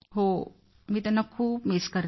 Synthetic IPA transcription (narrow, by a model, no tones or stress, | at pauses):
ɦoː | mit̪ɐnɐkʰuːbmɪskɐɾ